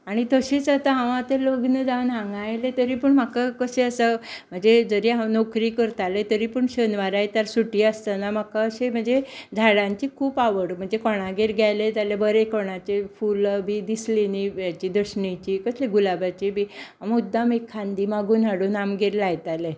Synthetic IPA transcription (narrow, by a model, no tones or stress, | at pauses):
aɽ̃it̪əɕet͡sat̪aɦãʋ̃at̪eloɡnəd͡zaʋnɦãŋɡajlet̪əɾiːpəɳmakakəɕeəsəm̤əɳd͡zed͡zəɾiɦãnɔkɾiːkəɾt̪alet̪əɾiːpuɳɕənʋaɾajt̪əɾsuʈiːəst̪ənam̤akaːɕem̤əɳd͡zed͡zʱaɽãɲt͡ɕiːkʰuːpaʋəɽm̤əɳd͡zekɔɽ̃aɡeɾɡʱjajled͡zalebəɾekɔɽ̃at͡ɕefulbiːd̪islenijat͡ɕiːd̪əɕɳit͡ɕiːkəsleɡulabat͡ɕibʱiamud̪ːamekʰːãnd̪iːmaɡuːnaɽuːnamɡʱeɾlajt̪ale